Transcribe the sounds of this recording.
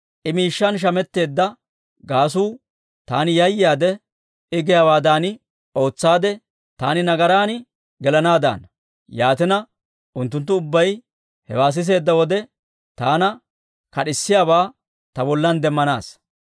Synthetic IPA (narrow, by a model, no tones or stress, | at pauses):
ʔɪmiːʃːɐnʃ̬ɐmɛt̪ːe̞ːd̪ːɐ | ɡaːs̬uː | t̪aːnɪjɐjːɪjaːd̪ɛ | ɪɡɪjaːwaːd̪aːnɪ | o̞ːt͡sːaːd̪ɛ | t̪a̰ːnɪnɐɡɐɾaːnɪ | ɡɛlɐnaːd̪a̰ːn | jaːt̪ɪnɐ | ʔʊnt̪ːʊnt̪̬ːʊʊbːɐj | hɛ̰waːs̬ɪs̬e̞ːd̪ːɐwɔd̪ɛ | t̪aːnɐ | kɐɗɪsːɪjaːbaː | t̪ɐbɔlːɐnd̪ɛmːɐnaːs